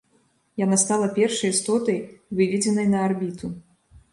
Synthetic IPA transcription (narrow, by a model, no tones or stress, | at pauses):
janast̪alˠɐpʲɛrʂɐjist̪ɔt̪ɐjvɨvʲɛd͡zʲɛnɐjnɐarbʲit̪u